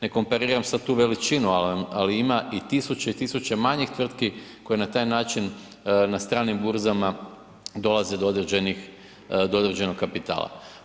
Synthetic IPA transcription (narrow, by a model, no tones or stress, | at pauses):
ne̞ko̞mpaɾiːɾamsad̪̚t̪uːʋe̞lit͡ʃinualaliimaʔit̪isut͡ɕeit̪isut͡ɕemaɲixt̪ʋr̩t̪kikoje̞nat̪aːjnaːt͡ʃin | nast̪ɾaːnimbuɾzama | d̪o̞lˠaze̞d̪oo̞d̪ɾed͡ʑe̞nix | d̪oo̞d̪ɾed͡ʑe̞no̞kkapit̪a̰ːlˠa̰